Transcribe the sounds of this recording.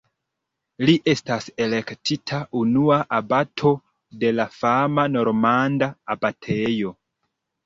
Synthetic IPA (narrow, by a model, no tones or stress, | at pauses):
liʔe̞stase̞le̞ktʰitʰaʔunuaʔabatʰo̞ | de̞lafamano̞ɾmandaːbatʰe̞jo̞